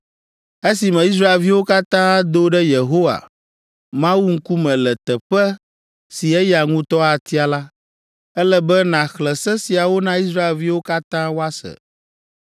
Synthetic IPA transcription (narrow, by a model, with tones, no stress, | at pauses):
e˦si˨mɛ̃˨i˦s̬ɾa˦e˨lvi˦wo˦ka˦t̪ã˦a˦d̪o˦ɖɛ˦je˨ɦo˦wa̰˨ | mã˦wu˦ŋ̩˦ku˦mɛ̃˨lɛ˨t̪ɛ˨ɸɛ˦ | si˨ɛ˦ja˨ŋũ˦t̪ɔ˦a˨t̪i˦a˨la˦ | ɛ˦lɛ˦bɛ˦nã˨xlɛ˨sɛ˦si˨a˨wo˦nã˦i˦s̬ɾa˦e˨lvi˦wo˦ka˦t̪ã˦wo˦a˦sɛ̰˨